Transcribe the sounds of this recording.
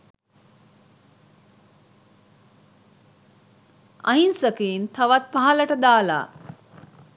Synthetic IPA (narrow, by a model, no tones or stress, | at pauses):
ɐ̰insəkeint̪ʰaʋat̪̚paɦaləʈəd̪aːla̰ː